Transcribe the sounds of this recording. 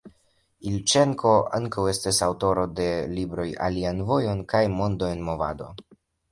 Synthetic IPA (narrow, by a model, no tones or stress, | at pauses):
ilt͡ʃe̞ŋkʰo̞aŋkawe̞stasawto̞ɾo̞de̞libɾo̞ja̰lianvo̞jo̞nkajmo̞nd̪oe̞nmo̞va̰do̞̰